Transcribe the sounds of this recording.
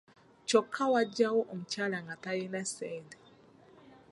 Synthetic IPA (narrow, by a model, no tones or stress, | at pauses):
t͡ʃɔkʰawad͡ʒawɔʔɔm̩t͡ʃalaŋɡatajɛnasɛdɛ